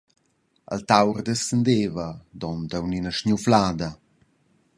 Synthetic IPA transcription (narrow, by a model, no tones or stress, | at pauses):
ə̰lt̪awrd̪əsənd̪eːvəd̪ɔnd̪əwninəʃɲuflaːd̪ɐ